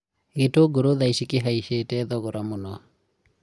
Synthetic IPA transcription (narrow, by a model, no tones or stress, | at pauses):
ɣetoɡoɾoðaiʃikeɦaiʃetɛðɔɣoɾamonɔ